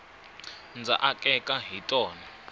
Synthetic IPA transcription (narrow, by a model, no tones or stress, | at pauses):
nd͡za̰ʔakʼɛkʼaɦitʼɔːna